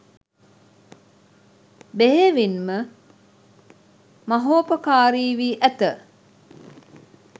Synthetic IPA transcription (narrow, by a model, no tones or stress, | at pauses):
beɦeʋinmə | mɐɦoːpəkaːɾiːʋiːʔæt̪ə